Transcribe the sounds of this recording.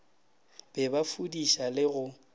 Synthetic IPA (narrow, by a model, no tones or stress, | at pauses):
b̥ɛbafudiʃalɪɣʊ